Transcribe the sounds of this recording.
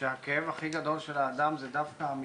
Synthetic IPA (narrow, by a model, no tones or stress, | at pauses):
ehakeevaχiɡad̪olʃelaːd̪amzɛd̪afkaːmi